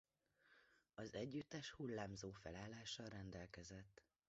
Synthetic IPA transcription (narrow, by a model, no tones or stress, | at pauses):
ɒzɛɟːyt̪ːɛʃhulːaːmzoːfɛlaːlːaːʃɒɾɛnd̪ɛlkɛzɛt̪ː